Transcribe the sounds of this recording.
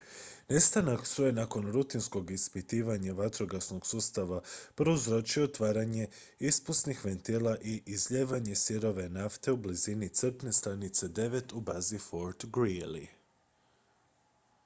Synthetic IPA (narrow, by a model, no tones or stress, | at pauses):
ne̞st̪anaksɾojenako̞nɾut̪insko̞ɡispit̪iːʋaɲaʋat̪ɾo̞ɡasnoɡ̥suːst̪aʋapɾuzɾo̞t͡ʃioot̪ʋaːɾaɲe̞ | ispust̪nixʋent̪ilaʔiʔizʎeːʋaɲe̞siɾo̞ʋe̞naft̪e̞ublizinit̪sr̩p̪ne̞st̪ɾanit̪se̞d̪e̞ʋe̞t̪ubazifo̞ɾt̪ɡɾili